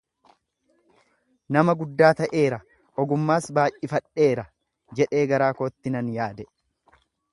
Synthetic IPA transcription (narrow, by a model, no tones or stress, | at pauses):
nɐmɐɡʊd̪ːaːt̪ɐʔe̞ːɾɐ | ʔɔɡʊmːaːsbaːʔʔɪfɐᶑːe̞ːɾɐ | d͡ʒɛᶑe̞ːɡɐɾaːkoːt̪ːɪnɐnjaːd̪ɛ